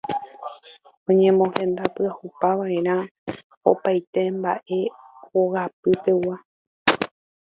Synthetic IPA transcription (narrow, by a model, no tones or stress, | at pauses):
õ̞ɲẽ̞mõ̞hẽ̞nd̪apɨahupaʋae̞ɾ̃ã | o̰pajt̪e̞mba̰ʔe̞ | oɣap̚ɨte̞uwa